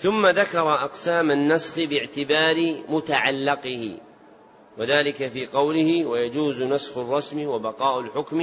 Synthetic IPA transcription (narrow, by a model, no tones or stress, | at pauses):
θʊmːaðakɑɾˤɑʔɑqsaːmanːasˤxbɪʕt̪ɪbaːɾɪmʊt̪aʕalːɪqɪhɪ̰ | waðaːlɪkafiːqɑwlɪhɪwajad͡ʒuːznasˤxʊrˤːɑsmɪwabɑqɑːʔʊlħʊkm